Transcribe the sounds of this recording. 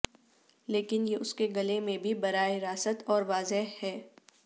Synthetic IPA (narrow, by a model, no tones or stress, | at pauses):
leːkɪnjeʔʊskeɡɐlemẽbʱibɐɾaːeɾaːsət̪ɔːɾʋaːzeɦhɛː